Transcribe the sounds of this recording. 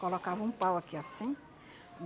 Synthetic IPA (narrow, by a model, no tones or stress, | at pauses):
kolokavɐũpawakiasĩ | ũ